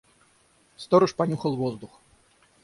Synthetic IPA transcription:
st̪ɔɾɨʂpɐnʲuxəlˠvɔzd̪ux

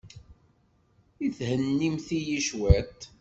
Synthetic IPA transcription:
iθhənːimθijiʃwæt̪

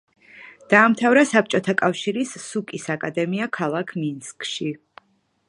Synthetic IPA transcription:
d̪̥aːmt̪ʰavɾasap̚t͡ʃʼɔt̪ʰakʼafʃiɾisːukʼisakʼad̪ɛmiakʰalˠakʰminskʼʃi

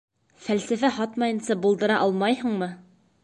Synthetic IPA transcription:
fælsæfæɦɑt̪mɑjɤ̆nsɑbulˠd̪ɤ̆ɾɑʔɑlˠmɑjhɤ̆ɴmɤ

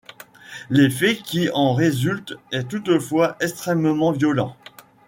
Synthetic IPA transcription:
lefɛkʲiɑ̃ʁezylt̪ɛt̪ut̪əfwaʔɛkst̪χɛmmɑ̃vjɔlɑ̃

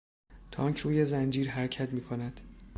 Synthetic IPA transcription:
t̪ʰɒːŋcʰɾuːje̞zænd͡ʒiːɾɦæɾcʰæt̪miːkʰo̞næd̪̥

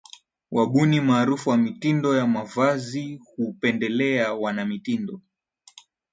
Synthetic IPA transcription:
wʔaɓunimaːɾufuwamitindɔjamavazihupɛndɛlɛawanamitindɔ

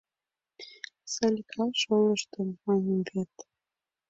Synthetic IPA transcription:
sɑlʲikʰɑʃoləʃt̪əmːɑnəmvet̪

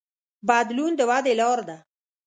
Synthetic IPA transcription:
bad̪lund̪əwad̪elɑɾd̪a

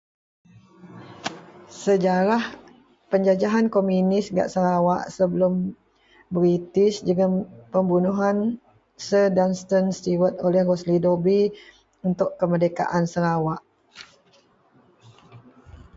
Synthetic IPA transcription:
səd͡ʒaɾah | pəɲd͡ʒad͡ʒaɦankomjunɪsɡa̰ʔsəɾawaʔsəbəlʊm | bɾit̪ɪsd͡ʒəɡapəmbunuɦan | sədanst̪ənst̪iwət̪̚olɛhroslidobi | unt̪ʊʔkəmərdəka̰ʔansəɾawaʔ

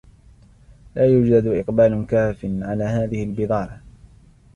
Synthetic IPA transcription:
laːjʊd͡ʒd̪ad̪ʔɪqbaːlkaːfɪnʕalaːɦaːðɪhɪalbɨðˤɑːɾɑ

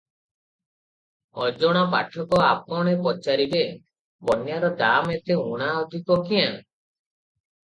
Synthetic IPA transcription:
ɔd͡ʒɔɽ̃apaʈʰɔkɔap̚ɔɽ̃epɔt͡ʃaɾibe | bɔnjaɾɔd̪amet̪euɽ̃aɔd̪ʱikɔkijaŋ

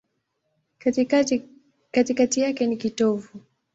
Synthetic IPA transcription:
katikatijakɛnikitɔvu

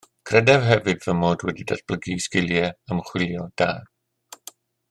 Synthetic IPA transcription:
kʰrɛdɛvɦɛvɨdvəmoːdwɛdida̰db̥lˠəɡiːskɪlˠjɛəmχw̥ɪlˠjɔd̥aː

